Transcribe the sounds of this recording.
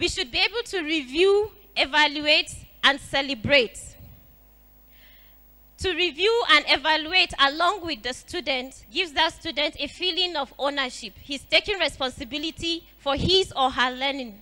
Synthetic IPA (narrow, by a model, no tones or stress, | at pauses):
wiʃud̚bieɪbəl̩ˠtʰuɹivju | ɛvaluetʔə̃nsɛlɛbɹet | uɹivjuə̃nɛvalueɪtəlɔ̃ŋɡwɪðəstʰudntɡɪvzðətstud̃n̩tefilɪ̃ŋɔvonəʃiphiz̥tekɪ̃ŋɹɛspɔ̃nsɨbiliti | fɔhɪzɔɦəlɜnɪ̃ŋ